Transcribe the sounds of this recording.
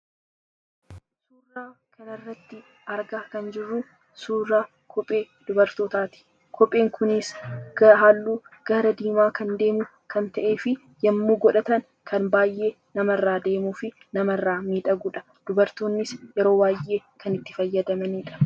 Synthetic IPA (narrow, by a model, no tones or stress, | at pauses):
suːrːaːkɐnɐrːɐt̪ːɪ | ɐɾɡaːkɐnd͡ʒɪrːu | suːrːaː | kʰɔpʼːe̞ː | d̪̥ʊbɐɾt̪oːt̪aːt̪ɪ̥ | kʰɔpʼːe̞ːŋkʰʊnɪsɡɐɦaːlːuːɡ̥ɐɾɐd̪iːmaːkɐnd̪e̞ːmʊ | kʰɐnt̪ɐʔe̞ːfɪ | jɐmːuːɡɔᶑɐt̪ɐn | kʰɐnbaːjːe̞ː | nɐmɐrːaːd̪e̞ːmuːfɪ | nɐmɐrːaːmiːᶑ̪ɐɡʊᶑɐ̥ | d̪̥ʊbɐɾt̪oːnːɪsjɛɾo̞ːbaːjʔe̞ːkɐnɪt̪ːɪ̥fɐjːɐd̪ɐmɐniːᶑɐ̥